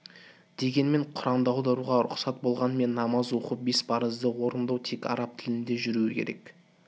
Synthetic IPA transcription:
d̪̥e̞ɡʲe̞nme̞ɴqʰʊɾɑmd̪əɑwd̪ɑɾuʁɑɾʊ̰qsɑt̪̚bo̞lˠʁɑnəme̞nːɑmɑzwo̞qəp̚be̞spʰɑɾəzd̪əwo̞ɾənd̪ɑwt̪ʰe̞kɑ̰ɾɑp̚t̪ʰɪlɪnd̪e̞ʒʏɾuwɪkʲʰeɾe̞k

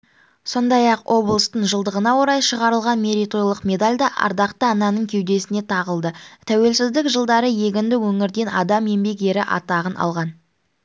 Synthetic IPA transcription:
so̞nd̪ɑjɑqwʔo̞blˠəst̪əɴʒəlˠd̪əʁənɑwo̞ɾɑjʃəʁɑɾəlˠʁɑnme̞ɾit̪ojlˠəqme̞d̪alʲd̪ɑʔɑ̰ɾd̪ɑqt̪əɑnɑnəɴkʲʰewd̪e̞sɪne̞t̪ʰɑʁəlˠd̪ət̪ʰæwe̞lsɪzd̪ɪkʒəlˠd̪ɑɾəje̞ɡʲɪnd̪ɪwɵŋɪɾd̪e̞nɑd̪ɑme̞mbe̞k̬e̞ɾɪʔɑ̰t̪ɑʁənʔɑ̰lˠʁɑn

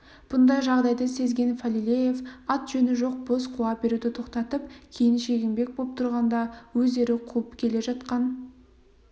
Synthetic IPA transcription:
b̥ʊnd̪ɑjʒɑʁd̪ɑjd̪əse̞zɡʲe̞nfalʲilʲeje̞fɑt̪ʒ̥ɵnɪʒo̞q̚bosqʰuɑbe̞ɾud̪ɪt̪ʰo̞qt̪ɑt̪əp̚kʲʰe̞jɪnʃe̞ɡʲɪmbe̞k̚boəp̚t̪ʰʊɾʁɑnd̪ɑwɵze̞ɾɪqʰulˠəpkʲʰe̞le̞ʒɑt̪qɑn

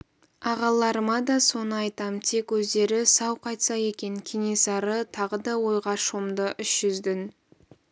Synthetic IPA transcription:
ɑʁɑlˠːɑɾəmɑd̪ɑso̞nəɑjt̪ɑmt̪ʰe̞kwɵzd̪e̞ɾɪsɑwqʰɑjt̪sɑje̞kʲe̞ŋkʲʰene̞sɑɾət̪ʰɑʁəd̪ɑwo̞jʁɑʃomd̪əʔʏʃʒ̥ʏzd̪ɪn

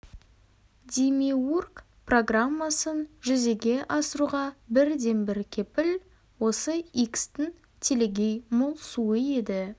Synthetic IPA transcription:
d̪ʲimiurk | pro̞ɡramːasənʒʏze̞ɡʲe̞ʔɑsəɾuʁɑbɪɾd̪e̞nbɪɾkʲʰe̞pɪl | wo̞səikst̪ɪŋ | t̪ʲʰe̞leɡʲejmolˠsuəe̞d̪ɪ

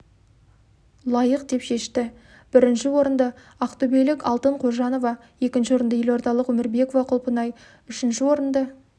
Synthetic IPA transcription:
lˠɑjəqd̪e̞pʃe̞ʃt̪ɪ | b̥ɪɾɪnʃɪwo̞ɾənd̪ə | ɑqt̪ubelɪkɑlˠt̪əɴqʰo̞ʒɑno̞vɑ | je̞kʲɪnʃɪwo̞ɾənd̪əjelwo̞ɾt̪ɑlˠəqwɵmɪɾbe̞ko̞vɑqʰʊlˠpənɑj | ʏʃɪnʃɪwo̞ɾənd̪ə

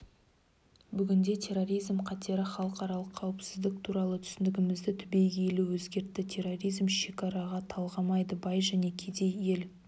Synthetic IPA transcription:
bʏɡʲɪnd̪e̞t̪ʲʰe̞ɾo̞ɾijzmqʰɑt̪e̞ɾɪχɑlˠəqɑɾɑlˠəqʰːɑwɪpsɪzd̪ɪk̚t̪ʰuɾɑlˠət̪ʰʏ̥sɪnd̪ɪɡʲɪmɪzd̪ɪt̪ʰʏbe̞jɡʲeeluwɵzɡʲe̞ɾt̪ːɪt̪ʲʰe̞ro̞ɾijzmʃe̞kɑɾɑʁɑt̪ʰɑlˠʁɑmɑjd̪əbɑjʒæne̞kʲʰe̞d̪e̞je̞l

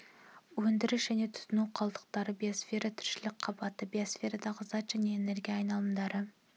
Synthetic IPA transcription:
wɵnd̪ɪɾɪʃʒæne̞t̪ʰʊ̥t̪ʊnuwqʰɑlˠd̪ə̥q̚t̪ɑɾəbijosfe̞ɾɑt̪ʰʏ̥ɾʃɪlɪk̚ʲqʰɑbɑt̪əbijosfʲe̞ɾɑd̪ɑʁəzɑt̪ʒ̥æne̞ːne̞ɾɡʲijɑːjnɑlˠəmd̪ɑɾə

